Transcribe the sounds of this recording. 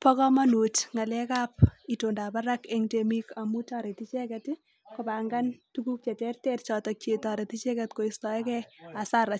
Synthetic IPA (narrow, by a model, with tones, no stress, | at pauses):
pɔ˦kɔ˦ma˦nu˨tŋa˨lɛ˦kap̚itonda˨pa˦ɾakeŋdemika˨mu˦tɔ˨ɾe˨ti˦t͡ʃɛkɛt | kopa˨ŋɡantuku˦k̚t͡ʃɛ˨tɛ˦rtɛrtt͡ʃɔ˨tɔk̚t͡ʃe˨tɔ˨ɾeti˦t͡ʃɛ˦kɛtko˨istɔ˨ɛ˦kɛasa˦ɾa˨